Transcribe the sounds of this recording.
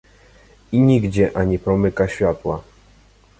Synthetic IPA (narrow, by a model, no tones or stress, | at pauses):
iɲiɡd͡ʑɛʔaɲipɾɔmɘkaɕfʲat̪wa